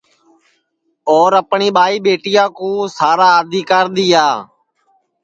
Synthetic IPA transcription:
oːɾəpɳiːɓaːiːɓeːʈɪjãːkõːsaːɾaːəd̪ʱiːkaːɾɗ̪iːaː

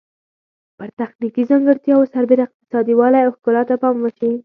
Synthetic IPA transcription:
pəɾt̪axnikizaŋɡəɾt̪jɑwsaɾbeɾaɪq̚t̪ɪ̥sɑd̪iwɑlajawxkʊlɑt̪apɑmwəʃi

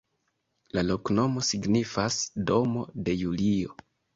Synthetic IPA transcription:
lalo̞kno̞mo̞siɡnifasdo̞mo̞de̞julio̞

